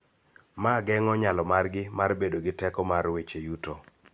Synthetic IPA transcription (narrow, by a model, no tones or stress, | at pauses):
maɡɛŋɔɲalɔmarɡɪmarbedoɡɪtɛkɔmarwet͡ʃejuto